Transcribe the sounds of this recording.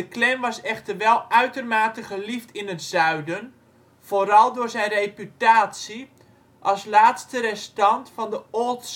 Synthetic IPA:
dəklɛmʋɑsɛχtərʋɛlˠœɥtərmaːtəχəliftɪnətz̥œɥdən | v̥oːɾɑlˠdʊːzɛjnrejpytaːtsi | ʔɑlˠslaːtstəɾɛstɑntfɑndəots

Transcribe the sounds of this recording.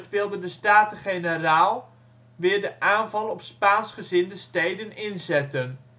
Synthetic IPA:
tʋɪlˠdəndəstaːtəχenəraːlˠ | ʋɪːɹdəʔaːnvɑlˠɔpspaːnsχəzɪndəstejdənɪnzɛtən

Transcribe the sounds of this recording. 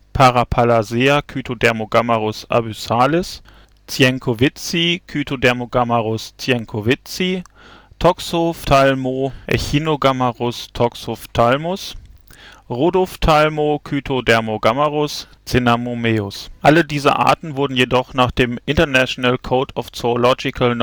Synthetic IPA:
pʰaʁapʰalazeːakʰyːtʰodɛɐmoɡamaʁʊsʔa̰bysaːlɛs | t͡sjɛŋkʰovɪt͡sikʰyːtʰodɛɐmoɡamaʁʊst͡sjɛŋkʰovɪt͡si | tʰɔkshoftʰalmoʔɛ̰çiːnoɡamaʁʊstʰɔkshoftʰalmʊs | ʁodɔftʰalmokʰyːtʰodɛɐmoɡamaʁʊs | t͡senamomeːʊsʔalədiːzə̰ʔa̰ːɐtn̩vʊɐdn̩jedɔχnaːχd̥eːmʔɪntɐnaʃonalkʰoːtʰɔft͡soolɔd͡ʒɪkʰaln

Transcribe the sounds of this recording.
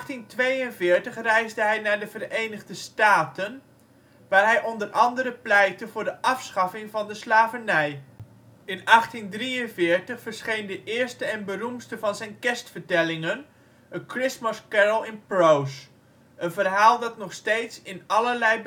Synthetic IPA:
tintʋejənvɪːɹtəχrɛjzdəɦɛjnaːɹdəvərejnəχdəstaːtən | ʋaːɹɦɛjʔɔndərʔɑndəɾəplɛj̚təvʊːɹdəʔɑfsχɑfɪŋvɑndəslaːvənɛj | ɪnɑχtindrijənvɪːɹtəχfəɹsχejndəʔɪːɹstəɛnbərumstəvɑnzɛjnkɛstfəɹtɛlɪŋən | əkrɪsməskɛɹəlˠɪnprows | ʔənvərɦaːlˠdɑtnɔχstejtsɪnɑləɹlɛj

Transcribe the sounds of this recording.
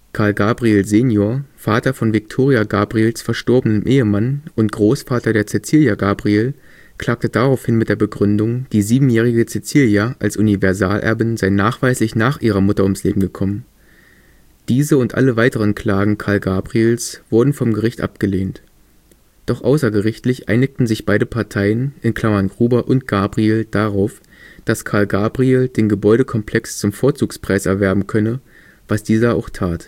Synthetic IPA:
kʰaːɐlɡaːbʁielzeːnjoːɐfaːtɐfɔnvɪk̚tʰoːʁiaɡaːbʁieːlsfɛɐʃtɔɐbənənʔeːəmanʔʊntɡ̥ʁoːsfaːtɐdeːɐt͡sɛt͡siːljaɡaːbʁieːl | kʰl̥aːk̚tədaʁaʊfhɪnmɪt̚d̥eːɐbəɡʁʏndʊŋd̥iːziːbm̩jɛːʁ̞ɪɡət͡sɛt͡siːljaʔalsʔʊnivɛɐza̰ːlʔɛ̰ɐbɪnzaɪnaːχv̥aɪslɪçnaːχʔiːʁ̞ɐmʊtɐʊmslḛːbm̩ɡəkʰɔmən | d̥iːzəʊntʔa̰ləvaɪtəʁ̞ənkʰl̥aːɡŋ̩kʰaɐlɡaːbʁieːlsv̥ʊɐdn̩fɔmɡəʁɪçtʔa̰p̚ɡ̥əleːnt | d̥ɔχʔa̰ʊsɐɡəʁɪçtlɪçʔa̰ɪnɪktn̩zɪçb̥aɪɾəpʰaɐtʰaɪənɪnkʰl̥amanɡʁuːbɐʔʊnt̚ɡ̥aːbʁieːld̥aʁaʊf | d̥askʰaːɐlɡaːbʁieːld̥eːnɡəbɔʏɾəkʰɔmpʰlɛkst͡sʊmfoːɐt͡suːkspʁ̥aɪsɛɐvɛɐbm̩kʰœnə | vasd̥iːzɐaʊxtʰaːt

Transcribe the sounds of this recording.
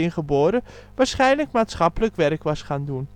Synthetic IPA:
ɪnχəboːɾəʋaːrsχɛjnləkmaːtsχɑpələkʋɛrkʋɑsχaːndun

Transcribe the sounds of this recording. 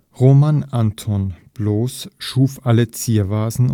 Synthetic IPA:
ʁoːmanʔantʰɔnb̥loːsʃuːfʔalət͡siːɐvaːzn̩

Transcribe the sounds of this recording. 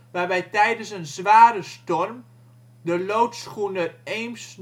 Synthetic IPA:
ʋarʋɛjtɛjdənsənzʋaːɾəstɔrm | dəlowtsxunəreːms

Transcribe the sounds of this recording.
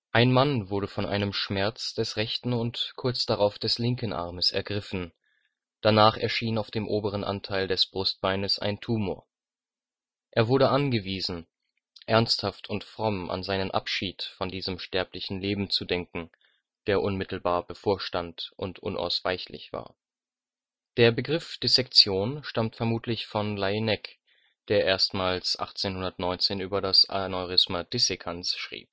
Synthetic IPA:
ʔaɪnmanvʊɐɾəfɔnʔa̰ɪnəmʃmɛɐt͡sd̥ɛsʁɛçtn̩ʊntkʰʊɐt͡sd̥aʁaʊfd̥ɛslɪŋkənʔa̰ɐməsɛ̰ɐɡʁɪfn̩ | d̥anaːχɛɐʃiːnaʊfd̥eːmʔoːbəʁ̞ənʔa̰ntʰaɪldɛsb̥ʁʊst̚b̥aɪnəsʔa̰ɪntʰuːmo̰ːɐ | ʔeːɐvʊɐɾəʔanɡəviːzn̩ | ʔɛɐnsthaftʰʊntfʁ̥ɔmʔa̰nzaɪnənʔa̰pʃiːtfɔndiːzəmʃtɛɐplɪçn̩leːbm̩t͡sudɛŋkŋ̩ | d̥eːɐʔʊnmɪtl̩baːɐbəfoːɐʃtantʔʊntʰʔʊ̰nʔa̰ʊsv̥a̰ɪçlɪ̰çv̥a̰ːɐ | d̥eːɐbəɡʁɪfd̥esɛkt͡sjoːnʃtamtfɛɐmuːtʰlɪçfɔnlainɛk | d̥eːɐʔeːɐstmaːlsʔa̰χt͡seːnhʊndɐtnɔʏnt͡seːnʔyːbɐɾasa̰noʁɪsmad̥ɪsekʰansʃʁ̥ḭːp̚

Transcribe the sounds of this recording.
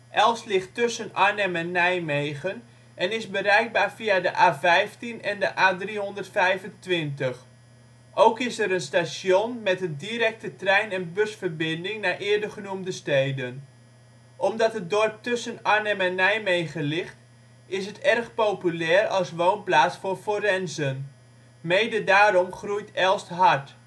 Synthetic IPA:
ʔɛlˠslɪxtɵsənaɹnɛmɛnːɛjmejɣən | ʔɛnɪsbəɾɛjk̚baːɹfiadəʔaːfɛjftinɛndəʔaːdriɦɔndərtfɛjvəntʋɪntəx | ʔowkɪsɛɾənstasjonmɛtəndiɾɛk̚tətrɛjnɛnbøsfərbɪndɪŋnaʔɪːəɹdəχənumdəstejdən | ʔɔmdɑtɦət̚dɔrp̚tʏsənaɹnɛmɛnɛjmejχəlɪχt | ɪsɦətɛrχpowpylɛːrɑlˠsʋownplaːt͡sfʊːɹforɛnzən | mejdədaːɾɔmχrujtɛlˠstɦaɹt

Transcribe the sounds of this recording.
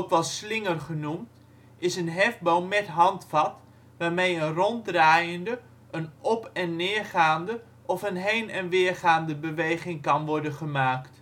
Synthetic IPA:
kʋɑslɪŋərχənumt | ɪsənɦɛfbowmɛtɦɑntfɑt | ʋaːɹmejənrɔntdraːjəndə | ʔənɔpɛnːɪːɹχaːndə | ʔɔfənɦejnɛnʋɪːɹχaːndəbəʋejχɪŋkɑnʋɔɹdənχəmaːkt

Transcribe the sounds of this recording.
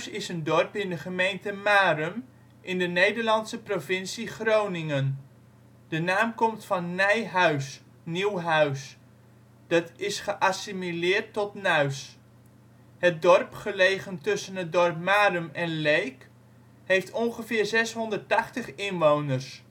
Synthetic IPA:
sɪsəndɔrpɪndəχəmejntəmaːrəm | ʔɪndənejdəɹlɑntsəprovɪnsiχrownɪŋən | d̥ənaːmkɔmtfɑnːɛjɦœɥs | niwɦœɥs | d̥ɑtɪsχəʔasimilɪːɹtːɔtnœɥs | hət̚dɔrpχəlejχəntɵsənɦət̚dɔrp̚maːrəmɛnlejk | hejftʰɔnχəvɪːrzɛsɦɔndərtɑχtəχɪnʋownərs

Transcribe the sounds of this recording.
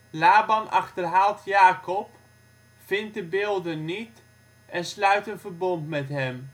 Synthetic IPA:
laːbɑnʔɑχtərɦaːlˠtʰjaːkɔp | fɪnt̚dəbɪːlˠdənːit | ɛnslœɥtənvərbɔntmɛtɦɛm

